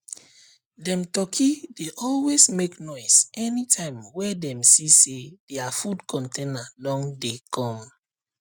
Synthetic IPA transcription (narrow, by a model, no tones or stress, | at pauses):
dɛ̃mtɔkʰideʔɔlwezmeknɔɪsɛnitʰãɪ̃mwɛdɛ̃msised̥ɛafudkʰɔ̃ntʰẽnalɔ̃ŋdekʰɔ̃m